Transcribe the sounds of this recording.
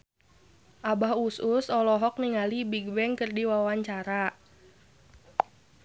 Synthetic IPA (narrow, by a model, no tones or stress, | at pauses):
ʔabahusʊsɔlɔɦɔk̚niŋalibiɡ̚bɛŋkərdiwawaɲt͡ʃaɾa